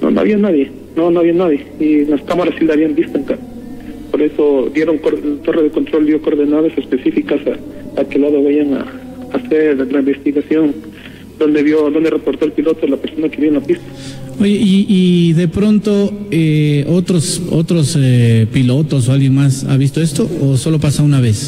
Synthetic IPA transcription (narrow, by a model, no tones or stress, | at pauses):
no̰noa̰βianaðje̞ | nonoaβianaðjeinlaskamaɾasːilaaβiambist̪oeŋkaɾ | poɾe̞so̞d̪je̞ɾoŋkoɾt̪o̞reðeko̞nt̪ɾo̞ld̪joko̞ɾðenaðasespesifikasaakelaðoβejaŋa̰ | aseɾlaimbe̞st̪iɣasjo̞n | d̪ond̪eβjod̪o̞nd̪erepoɾt̪o̞elpilo̞t̪olape̞ɾso̞nakeβjoenapist̪ḁoʝeʔiʔiðe̞pɾo̞nt̪o̞eot̪ɾosot̪ɾo̞sepilo̞t̪o̞s̬oalɣjeŋmasa̰βist̪o̞e̞st̪o̞oso̞lopasaunaβe̞s